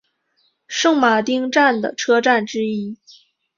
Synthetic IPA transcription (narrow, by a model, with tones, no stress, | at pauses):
ʂɤ˥˩ŋma˨˩t̪i˥ŋʈ͡ʂa˥˩nd̪ə̰˩ʈ͡ʂʰɤ˥ʈ͡ʂa˥˩nʈ͡ʂɻ̩˥i˥